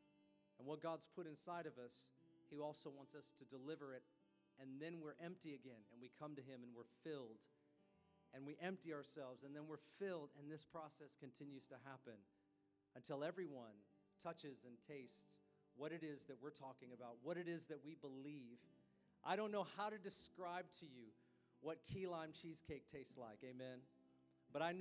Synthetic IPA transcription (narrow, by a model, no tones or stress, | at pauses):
ɨ̃nwʌt̚ɡ̥ɑdz̥pʰʊɾɨ̃nsaɪɾʌvʌshiɔlˠsoʊwɑ̃ntsʌstʰɨdəlɪvə˞ɪɾ | ɨ̃nðɨ̃nwɪɹʔɛ̃mp̚tiɨɡɛ̃nɨ̃nwikʰʌ̃mtɨɪ̃mɨ̃nwɪɹfɪlˠd | ɨ̃nwiʔɛ̃mp̚tiəə˞sɛlˠvzɨ̃nðɨ̃nwɪɹfɪlˠdɨ̃nðɪspʰɹ̥ɔsɛskʰɨ̃n̩tʰɪ̃njʉz̥tɨɦæpɨ̃n | ɨ̃ntʰɪlˠɛvɹiwʌ̃n | tʰʌt͡ʃɨzɨ̃ntʰeɪsts | wʌɾɨɾɪzðɨt̚wɪɹtʰɔkɪ̃ŋɨbaʊt̚wʌɾɨɾɪzðɨt̚wibəliv̥ | ʔaɪɾõʊ̃nːoʊhaʊɾɨdɨskɹaɪb̚tʰɨjʉ | wʌt̚kʰilãɪ̃mt͡ʃʰiz̥kʰeɪk̚tʰeɪstsla̰ɪkeɪmɛ̃n | b̥ʌɾaɪn